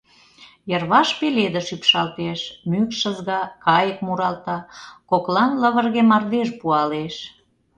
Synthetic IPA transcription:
jərβɑʃpeled̪əʃypʃɑlt̪eʃmykʃəzɣɑkɑjəkmuɾɑlt̪ɑkoklɑnləβərɣemɑrd̪eʃpuɑleʃ

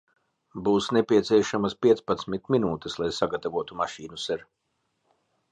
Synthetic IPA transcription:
buːsnɛpʲiɛt̪sʲiɛʃamaspʲiɛt̪spat̪smit̪minuːt̪ɛslˠajsaɡat̪avuɔt̪umaʃiːnusɛɾ

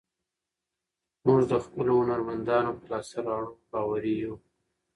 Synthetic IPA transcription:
muʐd̪əxpəlohʊnaɾmand̪ɑnopəlɑsalɑɳ̃ubɑwaɾiju

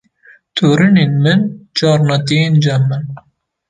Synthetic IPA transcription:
t̪ʰoːɾɨneːnmɨnd͡ʒɑːɾnɑt̪iend͡ʒamːɨn

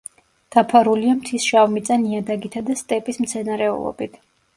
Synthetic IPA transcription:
d̪̥apʰaɾuliamt̪ʰisʃavmit̪sʼaniad̪aɡit̪ʰad̪ast̪ʼɛpʼismt̪sʰɛnaɾɛṵlˠɔ̰bit̪ʰ

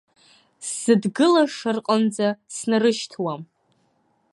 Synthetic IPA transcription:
sɨdɡɨlaʂɨrqʼand͡zasnarɨʃtʰwam

